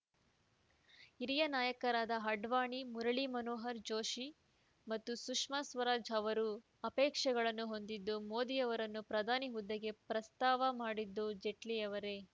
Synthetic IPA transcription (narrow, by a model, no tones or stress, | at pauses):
iɾijɐnaːjɐkɐɾaːd̪ɐɦɐɖʋaːɳimuɾɐɭimɐnoːɦɐɾd͡ʒo̞ːʃi | mɐt̪ːusukʂmasʋɐɾaːd͡ʒɐʋɐɾu | ɐpɛːkʂɐɡɐɭɐnːuɦo̞nd̪id̪ːumo̞ːd̪ijɐʋɐɾɐnːupɾɐd̪ʱaːniɦud̪ːɐɡe̞pɾɐst̪aːʋɐmaːɽid̪ːud͡ʒe̞ʈlijɐʋɐɾe̞